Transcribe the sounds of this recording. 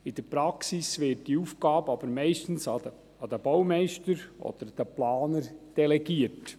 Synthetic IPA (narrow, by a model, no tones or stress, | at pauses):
ɪd̥əɾpɾɑksisʋɪt̚d̥iufɡɑːbɑb̥əɾmɛɪʃtən̩sɑ | ɑd̪əb̥ɔwmɛɪʃtəɾʔɔ̰d̪̥əɾd̥əplɑːnəɾd̥ɛlɛɡiːət